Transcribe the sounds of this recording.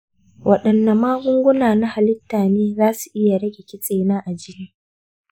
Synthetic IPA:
wʔɐ˨ɗɐ˨nːa˨maː˦hʊ˦ŋɡʷʊ˦naː˨na˦ha˨lɪ˦tːaː˨neː˦zaː˦su˨ʔɪ˦ja˨ɽɐ˦ɡʲe˨kʲɪ˦t͡sʼeː˨naː˦ʔa˨d͡ʒɪ˦niː˦

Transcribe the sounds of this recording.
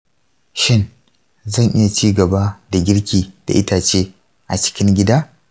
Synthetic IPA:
ʃɪ˦n | zɐ˦˨ŋʔɪ˦ja˨t͡ʃiː˦ɡɐ˨baː˦da˨ɡʲɪ˦ɽkʲiː˨d̥a̰˨ʔɪ˦taː˨t͡ʃeː˦ | ʔa˨t͡ʃɪ̥˦kʲɪ˦ŋɡʲɪ˦daː˦

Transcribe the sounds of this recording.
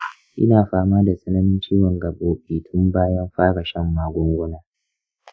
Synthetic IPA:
ʔɪ̰˦naː˨ɸaː˦maː˦da˨sʼɐ˦nɐ˦nɪ˦nt͡ʃiː˦wɔ˨ŋɡɐ˨boː˨˦ɓiː˨tʰʊ˦mbaː˦jɐ˦mɸaː˦ɽɐ˨ʃɛ˦mːaː˨ɡʷɔ˦ŋɡʷʊ˦naː˨˦

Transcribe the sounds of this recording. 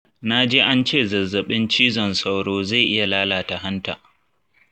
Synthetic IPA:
na˦d͡ʒeː˦ʔa˦nt͡ʃeː˦˨zɐ˨zːɐ˨ɓɪ˦nt͡ʃiː˦zɔ˨nsa˦wɽoː˦za˦˨jʔɪ˦ja˨laː˦laː˨ta˨ɦa˦nta̰ː˨

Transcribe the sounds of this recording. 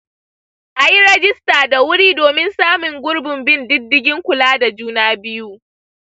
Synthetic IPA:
ʔa˨ji˦ɾɛ˦d͡ʒɪ˦staː˨da˨wʊ˦ɽiː˦doː˨mɪ˦nsaː˦mʊ˨ŋɡʷʊ˦ɽbɪ˨mbɪ˦ndɪ˦dːɪ˦ɡʲɪ˦ŋkʷʊ˨laː˦da˨d͡ʒuː˦naː˦bɪ˦juː˦

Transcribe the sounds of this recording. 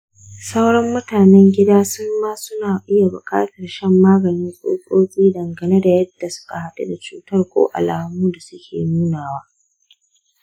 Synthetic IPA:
sa˦wɽɐ˦mːʊ˦taː˨nɛ˦ŋɡʲɪ˦daː˦sʊ˦mːaː˦sʊ˦naː˨ʔɪ˦ja˨bʊ˨kʼa̰ː˦tɐ˨rʃɐ˦mːaː˦ɡɐ˨nɪ˦ŋsʼo̰ː˦kʼoː˦kʲʼiː˦dɐ˨ŋɡɐ˨ne˦da˨jɐ˦d̥ːa˨sʊ̥˦ka˨ha˦ta̰˦da˨t͡ʃuː˦tɐ˦˨rkʷo̰ː˦ʔa̰˨laː˨muː˦da˨sʊ˦kʲʰḛː˨nuː˦naː˨waː˦

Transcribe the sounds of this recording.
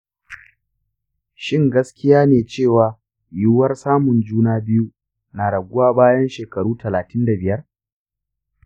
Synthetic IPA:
ʃɪ˦˨ŋɡɐ˦skʲɪ˦jaː˦neː˨t͡ʃeː˦˨waː˨ | ju˦wɐ˦rsaː˦mʊ˨nd͡ʒuː˦naː˦bɪ˦ju˦ | na˨ɽɐ˨ɡʷʊ˦waː˦baː˦jɐ˦nʃeː˨kɐ˨ɽuː˦tɐ˨laː˨tʰɪ˦nda˨bɪ˨jɐ˦r

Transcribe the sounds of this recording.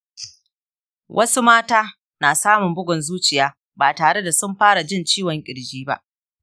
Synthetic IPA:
wʔɐ˦su˦maː˦taː˦ | naː˨saː˦mʊ˨mbʊ˦ɡʷɔ˨nzuː˦t͡ʃɪ˨jaː˦ | baː˨taː˨ɽe˦da˨sʊ˦mɸaː˦ɽa˨d͡ʒɪ˦˨nt͡ʃiː˦wɔ˨ŋkʲʼɪ˨ɽd͡ʒiː˦ba̰˦ʔ

